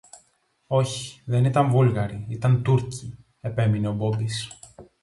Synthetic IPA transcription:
o̞ç̥i̥ðe̞nit̪ɐɱvulɣɐɾiit̪ɐnt̪uɾci | e̞pe̞mine̞o̞bo̞mbis

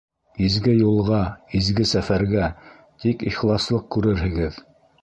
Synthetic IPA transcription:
izɡɘjulˠʁɑizɡɘsæfæɾɡæ | t̪ikiχlˠɑslˠɤq̚kʉɾɘɾɦɘ̆ɡɘð

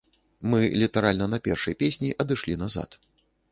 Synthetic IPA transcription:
mɨlʲit̪aɾalʲnɐnɐpʲɛrʂɐjpʲesʲnʲiʔɐd̪ɨʂlʲinaza̰t̪

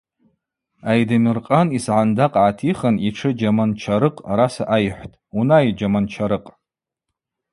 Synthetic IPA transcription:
ajdamɨrqʼanisʕandaqʼʕatʰiχaniʈ͡ʂʰɨd͡ʒamant͡ʃʰaɾɨqʼaɾasaʔajħʷtʼunajd͡ʒamant͡ʃʰaɾɨqʼ

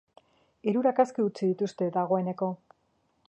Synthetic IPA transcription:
iɾuɾakaskiut͡siðit̪ust̪e̞ðaɣo̞e̞ne̞ko̞

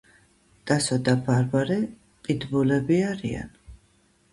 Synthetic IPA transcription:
d̪̥asɔd̪abaɾbaɾɛ | qʼid̪bulɛbiaɾḭa̰n

